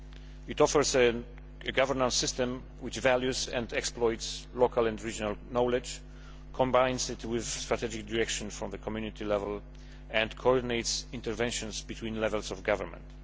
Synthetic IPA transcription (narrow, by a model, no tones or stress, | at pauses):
ɪt̪ɔfəɹsɛː | ɡavəɹnãnsɪst̪ɛ̃m | wɪt͡ʃvæljuzɛ̃nd̪ɛksplɔjt̪slokʰalɛ̃ndɹid͡ʒɔnalnɔlɛd͡ʒ | kʰɔ̃mbãjnsɪt̪wɪðst̪ɹat̪ʰɛd͡ʒɪk̚dɪɹɛkʃɔ̃nfɹɔ̃mðəkʰɔmjunit̪ʰilɛvɛl | ɛ̃ndkʰɔɔɹd̪inejt̪sĩnt̪ɛɹvɛ̃nʃɔ̃nsbit̪ʰwĩnlɛvɛlsɔvɡavəɹmɛ̰̃nt̪